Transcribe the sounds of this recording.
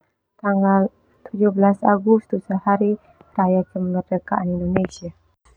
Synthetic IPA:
t̪aŋɡal | t̪ud͡ʒuhblasaɡust̪usəhaɾi | ɾajat͡ʃəmɡərdəkaʔanindonesia

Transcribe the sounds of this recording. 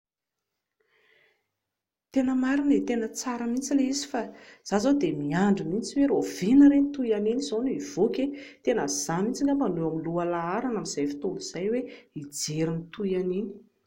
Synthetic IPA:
t̪enəmaɾinet̪enət͡saɾəmint͡sileizi̥faz̥azod̪emiaɳɖ͡ʐumint͡siweɾovinəɾent̪ujaninizoniv̥okʲet̪enəz̥amint͡siŋamaluamilualaaɾanamiz̥ajfi̥t̪oliz̥ajweid͡zeɾinit̪ujanini̥

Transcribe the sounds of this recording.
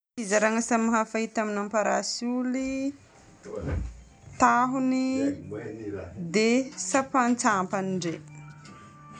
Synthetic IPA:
izaɾaŋəsamaɦafait̪aminampaɾasuli | t̪aɦuni | d̪esapant͡sampaniɳɖ͡ʐe

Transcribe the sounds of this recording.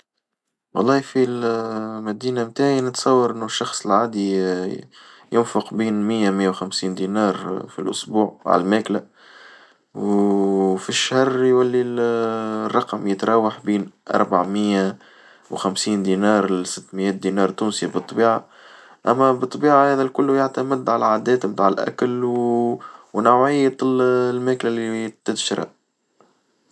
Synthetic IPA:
wɑ̰lˤːɑːfilmæd̪iːnamt̪aːʕjinɪt̪sˤɑwːɑɾˤʔɪnːuʃːɑxsˤəlʕaːd̪i | jʊnfʊqbiːnmɪjːæmɪjːawxæmsiːnd̪inɑːɾˤfḭlʔʊ̰sbuːʕa̰ʕ̰lmæːklæ | w | fiʃːhɑrˤjwælːi | rˤːɑqmjət̪ɾˤɑːwaħbiːnʔɑ̰ɾˤbaʕmɪjːæ | wxæmsiːnd̪inɑːɾˤsɪt̪ːmɪjɛːt̪̚d̪inɑːɾˤt̪ːuːnsibɨt̪ˤːbiːʕa | ʔæmːæbɨt̪ˤːɑbiːʕahæːðælkʊlːʊjaʕt̪æmɪd̪ʕalæʕaːd̪ɛːt̪bt̪aːʕɪlʔæ̰klw | wnawʕɪjːalmæːklælit̪ːɪd̪ʃɾˤa̰ʔ

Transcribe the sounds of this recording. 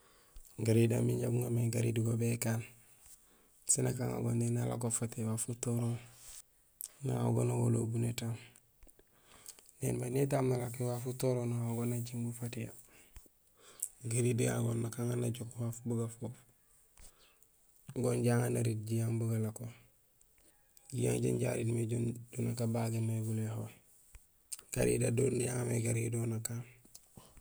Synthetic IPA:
ɡaɾida̰miɲɟabuŋameɡaɾḭdiɡobekaːn | sinaka̰ŋa̰ɡo̰nenala̰kofatewafutoɾo | na̰a̰ɡo̰naɡo̰lo̰bunetam | nḛːnmanet̬amnalak̬iwafutoɾonaaɡonaɟiŋɡufatija̰ | ɡaɾidiɡa̰ɡonːakaŋanaɟokwaːfbuɡafoːf | ɡonɟaːŋanaɾit̚ɟijaŋbuɡalako | ɟija̰ŋɟo̰nɟa̰ɾidmeɟondunakabaɡeneɡuleho | ɡ̥a̰ɾḭdadoːnːijaŋamḛɡaɾidonakaːŋ

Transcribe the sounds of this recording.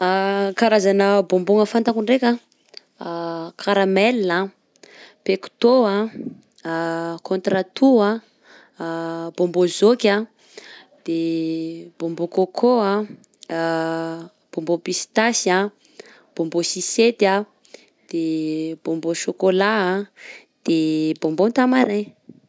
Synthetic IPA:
akaɾazanəbomboŋəfant̪akuɳɖ͡ʐekʲa | kʰaɾamelːa | peku̥t̪oa | kʰont̪ɾat̪ua | b̥ombozokʲa | d̪̥e | b̥ombokokʰoa | b̥ombopisi̥t̪asia | b̥ombosiset̪a | d̪̥eb̥omboʃokolaa | d̪̥ebombot̪amaɾe

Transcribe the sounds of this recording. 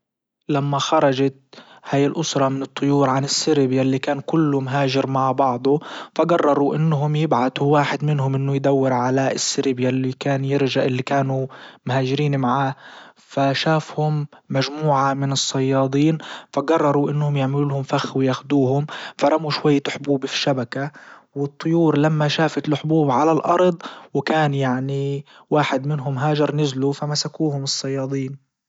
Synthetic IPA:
lamːaxɑɾˤɑd͡ʒat̪ | haːjɪlʔʊsɾˤɑmɪnɨt̪ˤːʊjuːɾʕanɪsːɪɾɪbjalːikaːnkʊlːʊmɦaːʒɪɾmaʕbɑʕd̪ˤʊfaɡarˤːɑɾˤuʔɪnːɦʊmjɪbʕat̪uwaːħɪd̪mɪnhʊmʔɪnːʊjd̪awːɪɾʕalaɪsːɪɾɪbjalːikaːnjɪɾʒaʔɪlːikaːnumhaːʒɪɾiːnmaʕaː | faʃaːfhʊmːaʒmuːʕamɪnɨsˤːɑjːɑːd̪ˤiːnfaɡɑrˤːɑɾˤuʔɪnːhʊmjɪʕmɪluːlhʊmfaxwɪjaːxd̪uːhʊmfaɾˤɑmuʃwajːħʊbuːbfi̥ʃabakawɪt̪ˤːʊjuːɾlamːaʃaːfat̪lħʊbuːbʕalalʔɑɾˤd̪ˤwɪkaːnjaʕni | waːħɪd̪mɪnɦʊmɦaːd͡ʒɑɾˤnɪzlufamasakuːhʊmɨsˤːɑjːɑːd̪ˤiːn

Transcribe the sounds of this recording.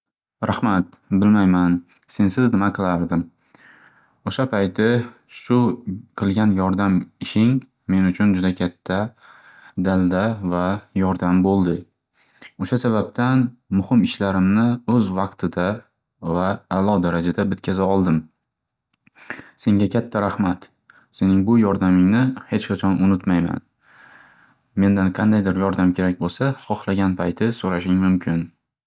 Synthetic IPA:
ɾahmat̪̚bɪlmajman | se̞nsɪznɪmaqʰɨlˠaɾd̪ɪm | oʃapʰajt̪ɪʃʊqʰɨlˠɡʲanjɒɾd̪amɪʃɪŋ | me̞nʊt͡ʃʰʊnd͡ʒʊd̪akʲʰat̪ʰːa | d̪ald̪avajɒɾd̪ambolˠd̪ɪ | oʃasabap̚t̪ʰanmʊhɪmɪʃlaɾɪmnɪɵzvɑqt̪ʰɪd̪a | vaːlˠɒd̪aɾad͡ʒad̪abɪt̪̚kʲʰazaɒlˠd̪ɪm | se̞ŋɡʲakʲʰat̪ʰːaɾahmat̪ | se̞nɪŋbʊjɒɾd̪amɪŋnɪhe̞t͡ʃqɑt͡ʃʰɒnʊnʊt̪majma̰n | me̞nd̪anqʰɑnd̪ajd̪ɪɾjɒɾd̪amkʲʰe̞ɾak̚ʲbolˠsaχɒχlˠaɡʲanpʰajt̪ʰɪsoɾaʃɪŋmʊmkʲʰɪn

